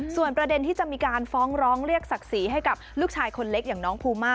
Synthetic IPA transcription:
su˨˩ənpɾa˧de˧nt̪ʰiː˥˩t͡ɕa˨˩ʔmiː˧kaː˧nfɔː˦˥ŋɾɔː˦˥ŋɾi˥˩ək̚sa˨˩k̚si˩˦ɦa˥˩jka˨˩p̚luː˥˩k̚t͡ɕʰaː˧jkʰo˧nle˦˥k̚jaː˨˩ŋnɔː˦˥ŋpʰuː˧maː˥˩

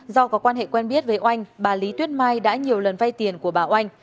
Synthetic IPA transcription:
zɔ˧kɔ˨˦˥kwaː˧nɦḛ˧˨kwɛ˧nɓi˦˥ət̚vəː˨˦jʔa˧jŋ̟ɓaː˨˩li˨˦t̪wi˦˥ət̚maː˧jɗa̰ː˧˥ɲi˨˩əwlə˨˩nva˧jt̪i˨˩ənku˧˩əɓaː˨˩ʔa˧jŋ̟

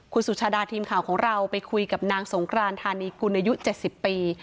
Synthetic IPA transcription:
kʰu˧nsu˨˩t͡ɕʰaː˧daː˧t̪ʰiː˧mkʰaː˩wkʰɔː˩˦ŋɾa˧wpa˧jkʰu˧jka˨˩p̚naː˧ŋso˩˦ŋkʰɾaː˧mt̪ʰaː˧niː˧ku˧nʔa˧ju˦˥t͡ɕe˨˩t̪̚si˨˩pːiː˧

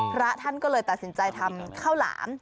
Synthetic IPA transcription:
pʰɾa˦˥t̪ʰa˥˩nkɔː˥˩lɤː˧jt̪a˨˩t̪̚si˩˦nt͡ɕa˧jt̪ʰa˧mkʰaː˥˩wla̰ː˩˦m

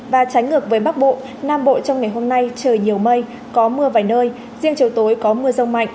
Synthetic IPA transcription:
vaː˨˩t͡ɕa˨˦jŋ̟ŋɨ˨˩ək̚vəː˨˦jɓa˦˥k̚ɓo̰˧˨ | naː˧mɓo̰˧˨t͡ɕɔ˧wŋ͡mŋa˨˩jɦo˧mna˧jt͡ɕəː˨˩jɲi˨˩əwmə˧j | kɔ˨˦mɨ˧əvaː˨˩jnəː˧j | zi˧əŋt͡ɕi˨˩əwt̪o˨˦jkɔ˨˦mɨ˧əzə˧wŋ͡mma̰˧˨jŋ̟

